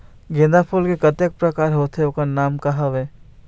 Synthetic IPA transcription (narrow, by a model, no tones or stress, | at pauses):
ɡẽːd̪apʰulkekɐt̪ek̚pɾɐkaːɾɦoːt̪ɦeokanaːmkɐɦaʋeː